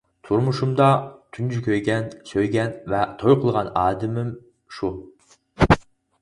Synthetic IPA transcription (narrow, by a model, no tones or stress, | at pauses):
t̪ʰuɾmuʃumd̪ɑt̪ʰynd͡ʒʰykʲʰøjɡʲɛnsøjɡʲɛnvɛt̪ʰojqʰəlˠʁɑnɑːd̪ɪmɪm | ʃu